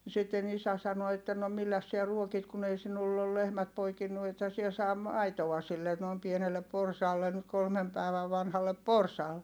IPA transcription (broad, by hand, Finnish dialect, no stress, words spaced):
sitːen isæ sɑno etːæ no milːæs siæ ruokit kun ei sinulː ol lehmæt poikinːu ethæ siɛ sɑː mɑitoɑ silːe noˑi̯m pienelːep̆ porsɑːlːen nyt kolmem pæˑi̯ʋæ ʋɑnhɑlːep porsɑːl